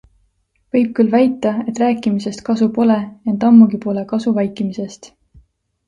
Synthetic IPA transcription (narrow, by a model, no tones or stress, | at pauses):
vɤjb̥̚kylvæjt̪ːˑɑe̞t̪ˑræːkːˑimise̞st̪̚kɑsupo̞le̞ent̪ɑmːuɡipo̞le̞kɑsuvɑjkˑimise̞st̪